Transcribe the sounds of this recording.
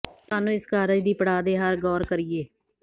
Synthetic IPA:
t̪aːnũːɪskaːɾəd͡ʒd̪iːpəɽaːd̪eːɦəɾɡɔːɾkəɾijeː

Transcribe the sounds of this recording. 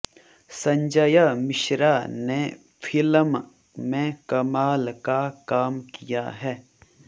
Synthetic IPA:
sɐ̃ɲd͡ʒəjamɪʃɾane | fʰɪləm | mẽkɐmaːlkakaːmkija̰ɦɛː

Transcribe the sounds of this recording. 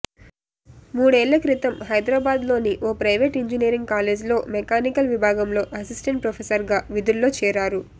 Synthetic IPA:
muːɽeːɭːɐkɾit̪ɐmɦɐjd̪ɾaːbaːd̪lo̞ːniʔoːpɾɐjʋeːʈiɲd͡ʒiniːɾiŋɡ̚kaːleːd͡ʒlo̞ːmɛkaːnikɐlʋibʱaːɡɐmlo̞ːʔɐsisʈeɳʈ̚pɾɐpʰesɐɾɡaːʋid̪uɾlːo̞ːt͡ʃɛːɾaːɾu

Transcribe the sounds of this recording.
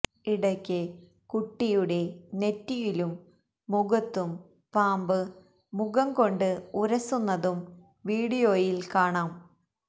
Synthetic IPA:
iɽɐkʲːɨ | kuʈːijuɽe̞ne̞tːijilumː | uɣɐt̪ːum | paːmbɨ | muɣɐmko̞ɳɖɨuɾɐsunːɐðum | ʋiːɽijo̞ːjilkaːɳaːm

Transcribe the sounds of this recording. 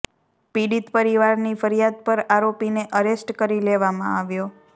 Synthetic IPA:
piɽit̪pəɾiʋaɾnifəɾijad̪̚pəɾaɾopineʔəɾesʈkəɾileʋamã̰aʋjo

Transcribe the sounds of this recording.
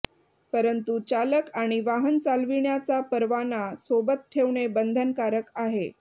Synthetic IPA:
pəɾənt̪ut͡ɕaləkaɽ̃iʋaɦənt͡salʋiɳjat͡sapəɾʋanasobət̪̚ʈʰeʋɳebənd̪ʱənkaɾəkaɦe

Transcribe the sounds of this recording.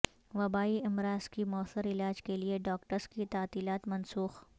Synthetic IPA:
ʋɐbaːiɪmɾaːz̥kimɔːsəɾɪlaːd͡ʒkelieɖɔːkʈəɾskit̪aːt̪iːlaːt̪mɐ̃nsuːx

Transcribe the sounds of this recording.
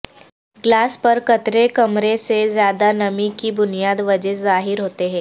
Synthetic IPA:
ɡlaːspɐɾkɐt̪ɾekɐmɾesezjaːd̪anɐmikibʊnijaːd̪ʋɐd͡ʒɛzaːɦɪɾɦoːt̪eɦɛ̃ː

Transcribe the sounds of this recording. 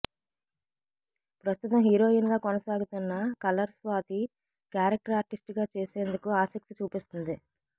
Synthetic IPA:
pɾɐst̪ut̪ɐmɦiːɾo̞ːinɡaːkɔnɐsaːɡut̪unːɐkɐlɐɾsʋaːt̪i | kjaːɾɐk̚ʈɐɾaːɾʈisʈiɡaːt͡ʃeːseːnd̪ukuaːsɐk̚t̪it͡ʃuːpist̪und̪i

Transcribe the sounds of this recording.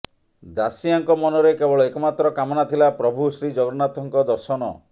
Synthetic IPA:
d̪asijaŋkɔmɔnɔɾekebɔɭɔekɔmat̪ɾɔkamɔnat̪ʰilapɾɔbʱusɾid͡ʒɔɡɔɾnat̪ɔŋkɔd̪ɔɾsɔnɔ̰

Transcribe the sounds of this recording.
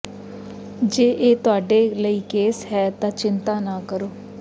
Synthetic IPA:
d͡ʒeːʔeːt̪ʊaːɖeːləiːkeːsɦɛːt̪ãːt͡ʃɪnt̪ãːnaːkəɾoː

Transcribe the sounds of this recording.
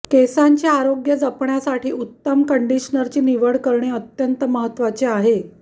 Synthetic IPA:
kesaɲt͡ɕaaɾoɡjəd͡zəpɳjasaʈʰiːut̪ːəmkəɳɖiɕnəɾt͡ɕiːniʋəɽkəɾɳeət̪jənt̪əməɦət̪ːʋat͡seaɦe

